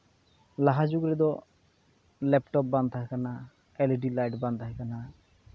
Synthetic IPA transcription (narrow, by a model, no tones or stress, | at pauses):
laɦad͡ʒuɡɾɛd̪ɔ | lɛpʈɔp̚band̪aɦkana | ɛleɖilajʈband̪aɦekana